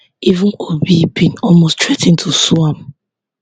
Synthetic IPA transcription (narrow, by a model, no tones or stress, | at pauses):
ivũnobipʰĩnɔlmostʰɹɛtĩntʰusuãm